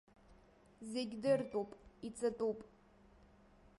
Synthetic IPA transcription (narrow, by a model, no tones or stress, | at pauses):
zeɡʲdɨrtʼupʼit͡sʼɨtʼupʼ